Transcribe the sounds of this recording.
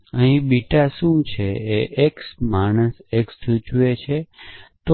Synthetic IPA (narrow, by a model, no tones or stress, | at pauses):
əɦĩbiʈaʃũt͡ʃʰeeʔeksmaɽ̃əsekst̪ʰut͡ʃuet͡ʃʰet̪o